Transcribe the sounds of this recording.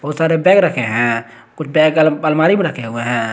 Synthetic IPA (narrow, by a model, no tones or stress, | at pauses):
bəɦut̪saɾebɛɡɾəkʰɛɦɛ̃ | kut͡ʃʰbɛɡlbəlmaɾimẽɾəkʰeɦueɦɛ̃